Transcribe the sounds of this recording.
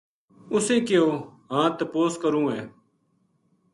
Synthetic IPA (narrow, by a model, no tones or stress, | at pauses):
ʊsẽːkɪjoːɦãːt̪əpoːskəɾũːɦɛː